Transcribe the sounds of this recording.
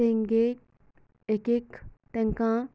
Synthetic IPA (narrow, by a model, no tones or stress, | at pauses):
ẽŋɡe | ekekt̪ɐŋkã